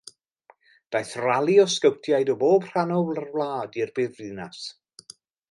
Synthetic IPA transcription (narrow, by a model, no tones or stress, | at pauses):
d̥ajθralˠiɔskəwtʰjajdɔboːbr̥anɔwlˠarwlˠaːdirbɨðvɨnas